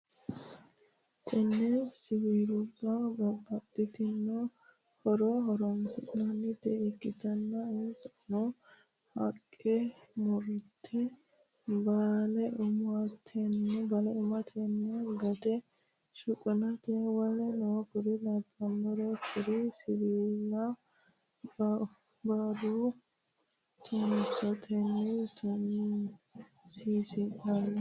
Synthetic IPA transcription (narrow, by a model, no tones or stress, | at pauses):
t̪ʰɐnːɛsɪwiːɾʊbːɐbɐbːɐt̪ːɪt̪ɪnːɔ | hɔɾɔɦɔɾɔmsɪnɐnːɪt̪ːɛɛɡɪt̪ɐnːɐɪnsɐ̥nɔ | hɐkʼːɛmɔɾʊt̪ʰːɛ | baːlɛʔʊmʊɐt̪ʰːɛnːɛbɐlɛɪmɐt̪ʰɛnːɛɡɐt̪ɛ | ʃʊkʼʊnɐt̪ɛwɐlɛnɔkʊɾɪdɐbɐnːɔɾɛkʰʊɾɪsɪɾiːlːɐ | bad̪u | t̪ʰʊnɪsɔt̪ʰɛnːɛt̪ʊ | siːsɪkɐn